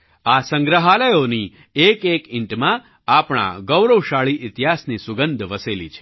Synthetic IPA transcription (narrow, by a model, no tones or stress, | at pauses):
asəŋɡɾəɦaləjoni | ekekɪ̃ɳʈmã | apɳ̃a̰ɡəwɾəwʃaɭiʔɪt̪ɦasnisʊɡənd̪ʱʋəselḭt͡ʃʰe̥